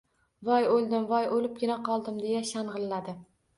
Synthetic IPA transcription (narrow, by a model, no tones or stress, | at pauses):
vɒjolˠd̪ɪmvɒjolɪp̚ɡʲɪnaqʰɒlˠd̪ɪmd̪e̞jaʃanʁɨlːad̪ɪ